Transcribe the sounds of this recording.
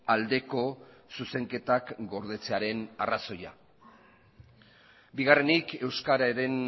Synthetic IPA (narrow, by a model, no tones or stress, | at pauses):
ald̪e̞ko̞ | suse̞ŋke̞t̪akɡo̞ɾð̞e̞t͡se̞aɾe̞na̰raso̞ja̰ | biɣare̞nike̞wskaɾaeɾe̞n